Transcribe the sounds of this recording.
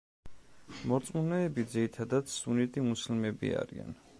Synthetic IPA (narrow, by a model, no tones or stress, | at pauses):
mɔɾt̪sʼmunɛɛbid̪ziɾit̪ʰad̪at̪sunit̪ʼimuslmɛbḭa̰ɾḭa̰n